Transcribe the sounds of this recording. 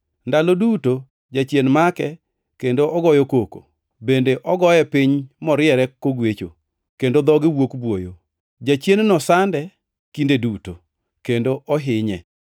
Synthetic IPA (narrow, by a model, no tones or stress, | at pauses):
ndaloduto | d͡ʒat͡ʃjenmakɛ | kendoɔɡɔjɔkoko̰ | bendeʔɔɡɔjɛpɪɲmɔɾɪɛɾɛkoɡwet͡ʃo̰ | kendod̪ɔɡɪwokbwojo | d͡ʒat͡ʃjennɔsandɛ | kindeduto | kendoʔɔɦɪɲɛ